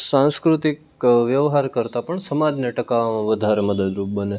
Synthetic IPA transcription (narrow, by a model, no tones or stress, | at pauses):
sãnskɾut̪ik | ʋjəʋɦaɾkəɾt̪apəɳsəmad͡ʒneʈəkaʋmãʋəd̪ʱaɾeməd̪əd̪ɾup̚bəne